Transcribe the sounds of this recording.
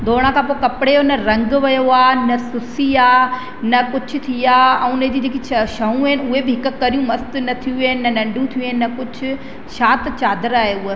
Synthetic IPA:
d̪ʱoːɽ̃ãkʰãːpokɐpɪɽeonɐɾɐ̃ŋɡʋɐjoaːnɐsʊsiaː | nɐkʊd͡ʑʰʱʊ̆t̪ʰiaːɐ̃unẽd͡ʑid͡ʑeːkiɐʃɐɦũɐɦɪnɪʊɦebɪɦɪkkɐɾijũmɐst̪nɐt̪ʰijũeːɪnɪnɐnɐ̃ɳɖũt̪ʰijũenɪnɐkʊd͡ʑʱʰʊ̆ | ʃaːt̪t͡ɕaːd̪əɾaːɦeʊɦ

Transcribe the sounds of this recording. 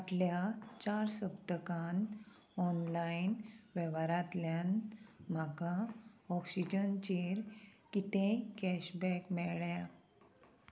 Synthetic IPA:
aʈljat͡ɕaɾsəbt̪əkan | ɔnlainʋɛʋaɾat̪ljanm̤akaɔksid͡ʑənt͡ɕeɾkit̪ẽkɛɕbɛkmɛɭja

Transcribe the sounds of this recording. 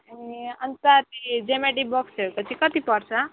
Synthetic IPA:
aniʌnt̪at̪id͡zemeʈ̬ikbɔksek̪ot͡sʰikʌt̪ipʌɾt͡sʰʌ

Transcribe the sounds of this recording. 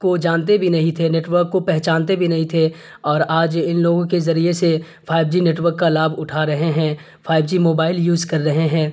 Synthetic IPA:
kod͡ʒãːnt̪̬ebʱinɐɦĩt̪ʰeneːʈʋəɾkːopɛɦt͡ʃãːnt̪̬ebʱinɐɦĩt̪ʰe | ɔːɾaːd͡ʒɪnloːɡõkezɐɾiese | fʰaːɪb̚d͡ʒineːʈʋəɾkːalaːbʱʊʈʰaɾɐɦeɦɛ̃ː | fʰaːɪb̚d͡ʒimoːbaːɪljuːzkɐɾːɐɦeɦɛ̃ː

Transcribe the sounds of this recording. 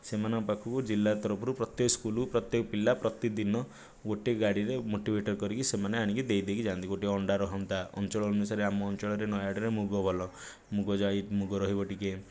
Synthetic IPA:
semanɔpakʰukud͡ʒilːat̪ɔɾɔpɔɾupɾɔt̪jekɔskulupɾɔt̪jekɔpilːapɾɔt̪id̪inɔ | ɡoʈiɡaɽiɾemoʈibʱeʈɔɾkɔɾikʰisemaneaɽ̃ikid̪ejd̪ekʰid͡ʒãɔnt̪iɡoʈiɔɳɖaɾɔɦɔnt̪aɔ̰nt͡ʃɔɭɔːnusaɾeamɔːnt͡ʃɔɭɔɾenɔjaɽiɾemuɡɔbʱɔlɔ | muɡɔd͡ʒait̪muɡɔɾɔɦibɔʈike

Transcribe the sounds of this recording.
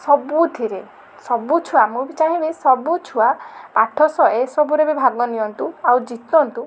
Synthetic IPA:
sɔbut̪ʰiɾe | sɔbut͡ʃʰuamubit͡ʃaɦĩbesɔbut͡ʃʰuapaʈʰɔsɔʔesɔbuɾebibʱaɡɔnijɔnt̪uawd͡ʒit̪ɔnt̪u

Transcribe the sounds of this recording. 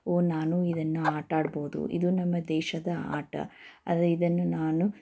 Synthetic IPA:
oːnaːnuid̪ɐnːuaːʈaːɽboːd̪ṵʔḭd̪unɐmːɐd̪ɛːʃɐd̪ɐa̰ːʈɐ̰ɐ̰d̪ɾid̪ɐnːunaːnu

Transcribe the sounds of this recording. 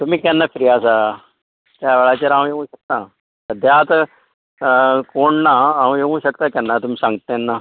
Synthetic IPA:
t̪um̤iːkɛ̃nːafɾijasa | t̪jaʋeɭat͡ɕeɾãʋ̃jeʋũɕək̚t̪a | səd̪ʱjat̪ | koɳnaãʋ̃jeũɕəkt̪akɛ̃nːat̪um̤iːsãŋɡt̪aɛnːa

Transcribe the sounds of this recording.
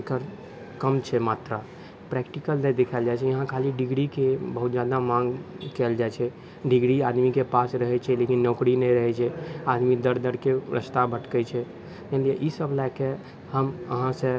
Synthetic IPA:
kəɾ | kəmt͡ʃʰɛmat̪ɾa | pɾɛkʈikəlnɛd̪ekʰəld͡ʒajt͡ʃʰɛjəɦãkʰaliɖiɡɾikebəɦut̪̚d͡ʒad̪amãŋɡ | kɛld͡ʒajt͡ʃʰɛ | ɖiɡɾiad̪mikepasɾəɦɛt͡ʃʰɛlekinːɔkɾinɛɾəɦɛt͡ʃʰɛad̪mid̪əɾd̪əɽkeɾə̰st̪abʱəʈkət͡ʃʰɛ | t̪əɦlieʔisəbʱlake | həməɦãsə̃

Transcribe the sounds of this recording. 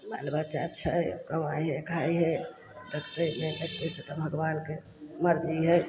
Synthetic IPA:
ma̰lbatːt͡ʃat͡ʃʰəkəmajɦəkʰaiɦɛ | d̪əkʰt̪əjmet̪əkt̪eset̪ɔbʱəɡʋaːnke | məɾd͡ʒiɦəj

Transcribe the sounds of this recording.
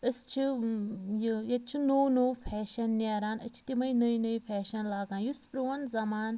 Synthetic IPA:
əst͡ʃʰi | jjɐt͡ʃʰinoːwnoːwpʰɛːʃɐnːʲeːɾaːnə̰t͡ʃʰi̥t̪imɐjnəjnəipʰɛːʃɐnlaːɡãːnjuspɾuʋɐnzɐmaːn

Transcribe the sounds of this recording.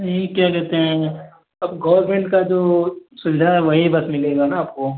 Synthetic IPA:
ikjakɛɦt̪eɦɛ̃ | ɐbɡɐːəɾmẽɳʈkad͡ʒoːsʊnd͡ʒʱaɦɛʋɐɦibɐsmɪleːɡanaːp̚ko

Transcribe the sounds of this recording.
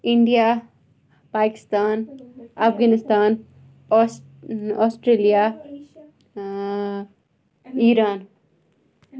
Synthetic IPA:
ɪɳɖijaː | paːkɪ̥st̪aːnɐfɡaːnɪst̪aːn | ɔːsʈɾeːlija | iːɾaːn

